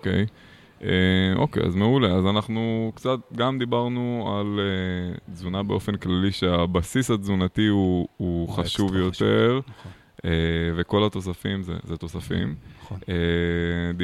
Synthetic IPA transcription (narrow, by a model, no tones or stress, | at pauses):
okej | ʔeʔo̰kḛja̰zme̞ule̞azanaχnukt͡sat̪̚ɡamd̪ibaʁnualed͡zunabeo̞fe̞nklaliʃeabasishazunatiuuχaʃuvjo̞t̪e̞ʁ | eve̞ko̞lat̪o̞safimzḛzet̪o̞safḭme | d